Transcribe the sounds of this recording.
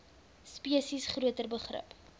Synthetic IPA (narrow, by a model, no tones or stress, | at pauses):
spiəsisχruətərbəχrə̰p